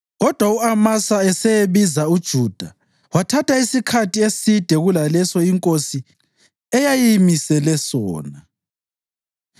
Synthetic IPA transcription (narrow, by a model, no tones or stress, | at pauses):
ɣɔd̥ʱwauamasaɛsɛjeβizaud̥ʒ̥ʱuːd̥ʱa | watʰatʰaisikʰatʰiesid̥ʱɛɣulalɛsɔiŋkʼosi | ɛjajimisɛlɛsɔ̰ːna